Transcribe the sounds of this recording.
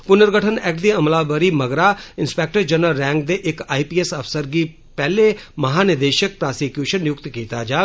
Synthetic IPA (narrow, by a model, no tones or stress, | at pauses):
pʊnəɾɡəʈʰənɛk̚d̪iːəmlaːbəɾiːməɡɾaːɪnspɛːk̚ʈəɾd͡ʒənəlːɛ̃ːŋɡ̚d̪eːʔɪkaːiːpiːɛsəpsəɾɡiː | pɛːleːməɦaːnɪd̪eːʃək̚pɾaːsikjuːʃənjʊkt̪kiːt̪aːd͡ʒaː